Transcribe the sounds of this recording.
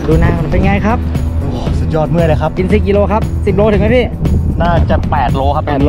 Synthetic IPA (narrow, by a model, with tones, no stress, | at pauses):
duː˧naː˧˩ŋ˨˧˩pe˧nŋaː˧˩jkʰa˦˥p̚ | oː˨˩su˨˩t̪̚jɔː˧˩t̪̚mɯ˥˩əjla˧˩kʰa˦˥p̚ki˧nsi˦˩k̚ki˧loː˧kʰa˦˥p̚si˨˩p̚loː˧˥t̪ʰɯ˩˦ma˦˥jpʰiː˥˩naː˥˩t͡ɕa˨˩pɛː˨˩t̪̚loː˧˥kʰa˦˥ɛː˨˩t̪ː